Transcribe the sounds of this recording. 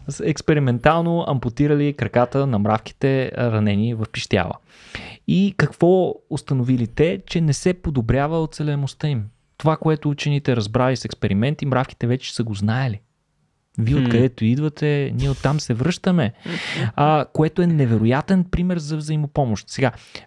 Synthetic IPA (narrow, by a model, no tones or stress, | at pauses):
ɛkspɛɾimɛnt̪alˠnoɐ̰mpot̪iɾəlikɾɐkat̪ənɐmɾafk̟i̥t̪ɛɾɐnɛnivɐfpiʃt̪ʲa̰lˠə̰ | ikɐkv̥ɔost̪ɐnovilit̪ɛt͡ʃɛnɛsɛpod̪obɾʲjavəot̪sɛlɛnost̪əim | t̪ovakoɛt̪ʊut͡ʃɛnit̪ɛɾɐzbɾalisɛkspɛɾimɛnt̪imɾafki̥t̪ɛvɛt͡ʃɛ̥səɡoznaɛli | viɛot̪kɐd̪ɛt̪oid̪vɐt̪ɛniɛot̪ːamsɛvɾɤʃt̪əmɛ | koɛt̪oɛnɛvɛɾʊjat̪ɛnpɾimɛɾzɐvzɐimopɔmoʃt̪sɛɡa